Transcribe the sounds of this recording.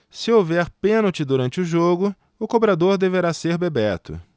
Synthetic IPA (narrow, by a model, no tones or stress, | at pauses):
sɪowvɛɾpẽnowt͡ʃɪd̪uɾɐ̃nt͡ʃɪʊʒoɡʊ | ʊkobɾad̪oɾd̪eveɾaseɾbebɛt̪ʊ̰